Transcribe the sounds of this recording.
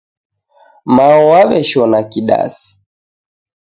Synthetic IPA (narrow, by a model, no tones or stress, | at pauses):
maɔwaβɛʃɔnakiɗa̰si̥